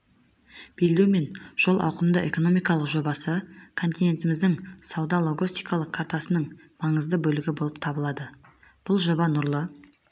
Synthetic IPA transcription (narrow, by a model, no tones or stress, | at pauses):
b̥ej̪leme̞nʒ̥o̞lˠʔɑ̰wqəmd̪əʔe̞ko̞no̞mijkɑlˠəqʒo̞bɑsəkʰo̞nt̪ijne̞nt̪ɪmɪzd̪ɪŋsɑwd̪ɑlˠo̞ɡost̪ijkɑlˠəqʰːaɾt̪asənəɴ | mɑɴəzd̪əbɵlɪɡʲɪbo̞lˠəp̚t̪ʰɑbəlˠɑd̪ə | b̥ʊlˠʒo̞bɑnʊɾlˠə